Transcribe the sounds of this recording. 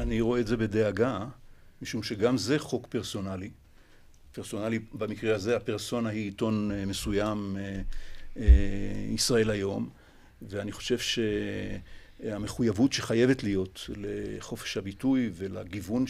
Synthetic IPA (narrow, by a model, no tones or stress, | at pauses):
aniʁo̞eːze̞be̞de̞aɡa | miʃumʃe̞ɡamze̞χo̞kpeʁso̞nali | peʁso̞nalibamikʁeazeapeʁso̞nahiːto̞nmesujame | eisʁae̞lajo̞m | veaniχo̞̥ʃe̞vʃe̞ | ame̞χujavutʃeχaje̞ve̞tlijo̞tleχo̞fe̥ʃhabitujve̞laɡivun